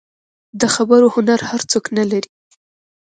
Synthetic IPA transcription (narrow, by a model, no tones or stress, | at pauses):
d̪əxabəɾohʊnaɾhaɾt͡soknalaɾi